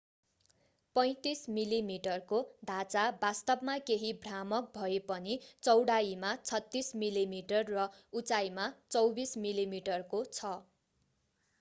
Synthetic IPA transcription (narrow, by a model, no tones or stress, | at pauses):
pʌj̃t̪ismilimiʈʌrkod̪ʱat͡sabast̪ʌbmakeɦibʱramʌk̚bʱʌepʌnit͡sʌwɽaimat͡sʰʌt̪ːismilimiʈʌrːʌut͡sajmat͡sʌwbismilimiʈʌrkot͡sʰʌ